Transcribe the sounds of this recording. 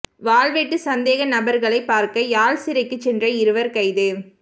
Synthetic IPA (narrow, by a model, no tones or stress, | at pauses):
ʋaːlʋeːʈːɯsɐnd̪eːɣɐnɐbɐɾɣɐɭɐɪpːaːɾkɐjaːlsɪɾɐɪkːɯt͡ʃːɛndrɐɪɾɯʋɐɾkɐɪðɯ